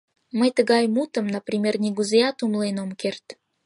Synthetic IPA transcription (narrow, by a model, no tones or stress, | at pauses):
məjt̪əɣɑjmut̪ə̆mnəprʲimʲernʲiɣuzeɑt̪umlenomkert̪